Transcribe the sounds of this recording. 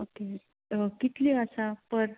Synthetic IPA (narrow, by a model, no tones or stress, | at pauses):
oke | kit̪liəsapəɾ